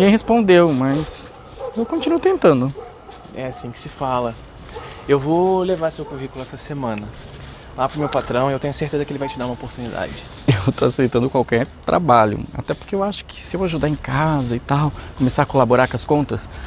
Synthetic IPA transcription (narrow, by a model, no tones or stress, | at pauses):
ɡẽj̃ɦespõnd̪ewmɐs | ewkõt͡ʃinuʊt̪ẽnt̪ɐ̃nd̪ʊ | ɛasĩkɪ̥sɪfalɐ | ewvolevaɾsewkuɦikʊlʊɛsɐsemɐ̃nɐ | lapɾʊmewpat̪ɾɐ̃w̃ewt̪ẽɲʊseɾt̪ezɐkɪelɪvajt͡ʃɪd̪aɾũmopoɾt̪unid̪a̰d͡ʒɪ | ewt̪oasejt̪ɐ̃nd̪ʊkwawkɛɾt̪ɾʔa̰baʎʊ̰a̰t̪ɛpo̥ɾkeewaʃʊ̥kʰɪ̥sɪewaʒud̪aɾẽkazɐɪt̪awkõmesaɾakolaboɾakõɐskõnt̪ɐs